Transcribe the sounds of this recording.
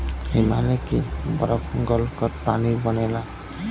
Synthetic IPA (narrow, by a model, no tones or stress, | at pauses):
ɦimalekibʌ̰ɾʌkɔŋɡʌlkʌɾpanibʌnela